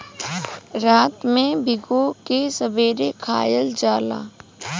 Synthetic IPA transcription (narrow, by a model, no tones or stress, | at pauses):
ɾaːt̪mẽbʱɪɡokesəbeːɾekʰaːjəld͡ʒaːla̰ː